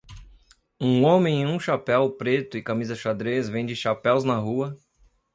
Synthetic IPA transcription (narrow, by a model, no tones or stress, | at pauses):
ũõmẽj̃ẽũʃapɛwpɾet̪ʊɪkamizɐʃad̪ɾezvẽj̃d͡ʒɪʃapɛwznɐɦuɐ